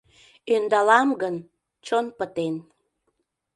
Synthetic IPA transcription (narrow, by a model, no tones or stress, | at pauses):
ønd̪ɑlɑmɡən | t͡ɕonpət̪en